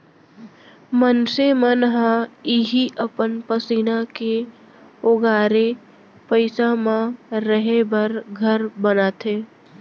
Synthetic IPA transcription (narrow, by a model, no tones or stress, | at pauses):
mənsemənɦãiɦiʔəpənpəsiːnake | oɡaːɾe | pəɪsamãɾəɦebəɾɡʱəɾbənaːt̪ʰeː